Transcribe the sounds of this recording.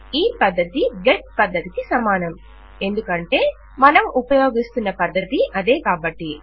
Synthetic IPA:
iːpɐd̪ːɐt̪iɡeʈ̚pɐd̪ːɐt̪ikisɐmaːnɐm | e̞nd̪ukɐɳʈe̞ː | mɐnɐmupɐjo̞ːɡist̪unːɐpɐd̪ːɐt̪iʔɐd̪e̞ːkaːbɐʈːi

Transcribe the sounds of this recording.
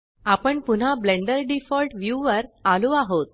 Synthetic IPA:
apəɳpun̤ablẽɳɖəɾɖifɔlʈʋjuʋəɾaluaɦot̪̚

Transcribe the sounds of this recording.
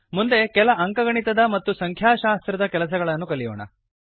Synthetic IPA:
mund̪e̞kɛlɐʔɐŋkɐɡɐɳit̪ɐd̪ɐmɐt̪ːusɐŋkʰjaːʃaːst̪ɾɐd̪ɐkɛlɐs̬ɐɡɐɭɐnːukɐlijɔːɳɐ̰

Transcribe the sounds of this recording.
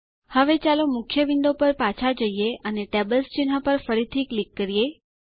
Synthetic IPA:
həʋet͡ʃalomʊkʰjəʋind̪opəɾpat͡ʃʰad͡ʒəieəneʈebəlst͡ʃɪn̤apəɾfəɾit̪ʰiklikːəɾije

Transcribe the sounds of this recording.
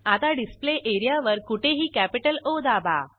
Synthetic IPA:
at̪aɖispleʔeɾijaʋəɾkuʈʰeɦiːkæpiʈəlod̪aba̰

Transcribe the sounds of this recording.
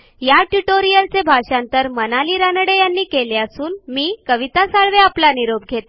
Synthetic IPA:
jaʈjuʈoɾijəlt͡sebʱaɕant̪əɾmənaliːɾanəɽejanːiːkeleasuːnmiːkəʋit̪asaɭʋeaplaniɾob̚ɡʱet̪

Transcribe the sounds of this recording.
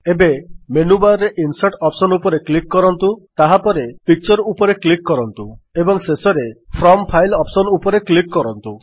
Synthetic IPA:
ebemenubaɾeʔinsaʈɔpsɔnupɔɾeklikːɔɾɔnt̪ut̪aɦapɔɾepik̚t͡ʃɔɾupɔɾeklikːɔɾɔnt̪uebɔŋsesɔɾepʰɾɔmpʰajlɔpsɔnupɔɾeklikːɔɾɔnt̪u

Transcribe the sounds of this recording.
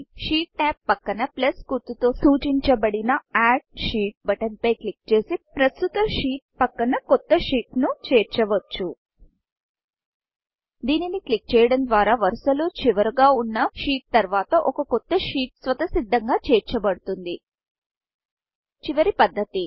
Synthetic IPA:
ʂiːʈnaːpːɐkːɐnɐplɐskuɾt̪ut̪o̞ːsuːt͡ʃiɲt͡ʃɐbɐɽinɐaːɖ̚ʂiːʈ̚bɐʈɐnpɐjklik̚t͡ʃe̞ːsipɾɐst̪ut̪ɐʂiːʈ̚pɐkːɐnɐkɔt̪ːɐʂiːʈnut͡ʃɛːɾt͡ʃɐʋɐt͡ʃːu | d̪iːniniklik̚t͡ʃɛːjɐɽɐnd̪ʋaːɾaːʋɐɾsɐlut͡ʃiʋɐɾuɡaːunːɐʂiːʈ̚t̪ɐɾʋaːt̪ɐʔɔkɐkɔt̪ːɐʂiːʈ̚sʋɐt̪ɐsid̪ʱːɐŋɡaːt͡ʃɛːɾt͡ʃɐbɐɽut̪und̪i | t͡ʃiʋɐɾipɐd̪ʱːɐt̪i

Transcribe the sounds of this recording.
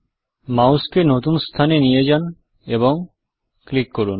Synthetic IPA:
mauskenot̪unst̪ʰanenijed͡ʑan | eboŋ | klikːoɾun

